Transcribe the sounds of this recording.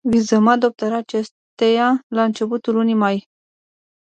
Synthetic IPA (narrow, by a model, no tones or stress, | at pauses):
vizəmad̪o̞p̚t̪əɾaːt͡ʃes | t̪ejalaɨnt͡ʃe̞put̪ulunijmaj